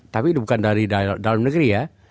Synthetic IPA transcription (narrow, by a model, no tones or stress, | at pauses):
t̪apiːt̪ubukandaɾidadalamnəɡəɾija